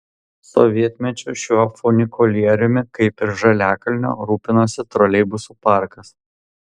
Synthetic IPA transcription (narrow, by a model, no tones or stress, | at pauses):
sɔ̰ʋʲiɛt̪ʲmʲɛt͡ʃʲuʃʲuɔfɔnʲɪkʰɔlʲiɛɾʲʊmʲɪkɐɪpɪɾʒɐlʲæːkɐlʲnʲo̰ːɾuːpʲɪnoːsʲɪt̪ɾɔlʲɛɪbʊsuːpɑˑɾkɐs